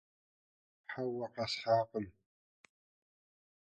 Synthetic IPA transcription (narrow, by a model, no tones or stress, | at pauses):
ħawaqɑsħaːqən